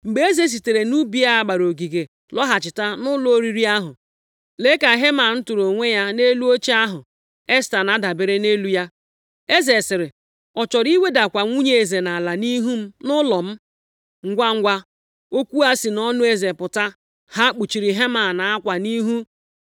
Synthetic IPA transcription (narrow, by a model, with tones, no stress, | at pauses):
ŋ͡m̩˨ɡ͡be˨e˦ze˨s̬i˨te˨ɾe˨nu˦bi˦a˦a˦˨ɡ͡ba˨ɾo˨ɡi˨ɡe˨ | lɔ˦ɦa˨t͡ʃɪ˨ta˦nʊ˦lo˦o˦ɾi˨ɾi˦a˦ɦʊ˨ | le˦ka˨ɦe˦ma˨˦n̩˦tʊ˨ɾo˨ŋʷe˦ja˦ne˦lu˦o˦t͡ʃi˦a˦ɦʊ˨ | e˦sta˨na˦da˨be˨ɾe˦ne˦lu˦ja˦ | e˦ze˨sɪ˨ɾɪ˨ | ɔ˨t͡ʃɔ˨ɾi˦we˦da˨kʷa˨ŋʷu˦ɲe˨e˨ze˨na˨la˨ni˦ɦu˦m̩˦nʊ˦lɔ˨m̩˦ | ŋ̩˦ɡʷa˦ŋ̩˦ɡʷa˦ | o˦kʷu˦a˦si˨nɔ˦nʊ˦e˦ze˨pʊ˨ta˦ | ha˦k͡pu˨t͡ʃi˨ɾi˨ɦe˦ma˨na˨a˦kʷa˨ni˦ɦu˦